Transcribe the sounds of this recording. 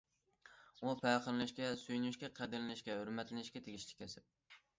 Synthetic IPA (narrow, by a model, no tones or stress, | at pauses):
upʰæqəɾɨlɪʃkʲɛsyjnyʃkʲɛqʰæd̪ɪɾɨnɪʃkʲɛhøɾmɛt̪lɪnɪʃkʲɛt̪ʰeɡʲiʃlʲɪ̥kʲkʲʰːɛsɪp̚